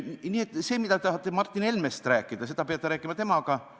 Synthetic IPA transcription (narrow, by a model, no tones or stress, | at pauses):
niːe̞t̪ːˑse̞ːmid̪ɑt̪ɑhɑt̪ːˑemɑrt̪ˑːine̞lmest̪ɾæːkːˑid̪̥ɑse̞d̪̥ɑpeɑt̪ːeɾæːkːˑimɑt̪e̞mɑɡ̥ɑ